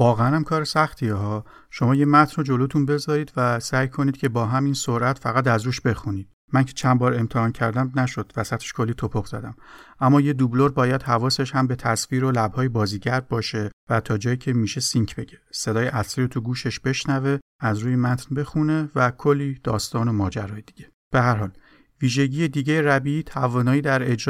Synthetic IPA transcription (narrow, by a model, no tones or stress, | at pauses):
vɒːɣeænæmkʰɒːɾesæxt̪ʰieɦɒː | ʃo̞mɒːjemæt̪ʰnɾod͡ʒo̞lot̪ʰunbe̞zɒːɾiːd̪væsæːjkʰoniːd̪̥̚cʰe̞bɒːɦæmiːnsoɾʔæt̪fæɣæt̪æzɾuːʃbe̞xuniːd̪̥ | mæncʰe̞̥t͡ʃʰænbɒːɾe̞mt̪ʰehɒːncʰæɾd̪æmnæʃo̞d̪̥væsæt̪ʰeʃkʰo̞lːiːt̪ʰopʰoxzæ̰d̪æmʔæmːɒːje̞d̪ubloɾbɒːjæd̪hævɒːse̞ʃhæmbe̞t̪ʰæsfiːɾolæbhɒːjebɒːziːɟæɾb̚bɒːʃe̞væt̪ʰɒːd͡ʒɒːjiːcʰe̞miːʃe̞siŋcʰb̥e̞ɟese̞d̪ɒːjeʔæsliːɾot̪ʰuɡuːʃeʃb̥eʃnæve̞æzɾuːjemæt̪ʰnbe̞xune̞vækʰolːiːd̪̥ɒːst̪ɒːno̞mɒːd͡ʒæ̰ɾɒːjed̪̥iɟe̞ | b̥eɦæɾɦɒːl | viːʒe̞ɟijed̪iːɟejeɾæbiiːt̪ʰævɒːnɒːiːd̪æɾe̞d͡ʒɾ